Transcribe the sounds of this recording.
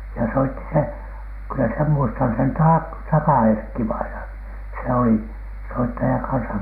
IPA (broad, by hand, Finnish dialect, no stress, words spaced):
jɑ soitːi se kylːæ sem muistɑn sen tɑ tɑkɑ erkːiʋɑinɑn se oli soitːɑjɑ kɑnsɑ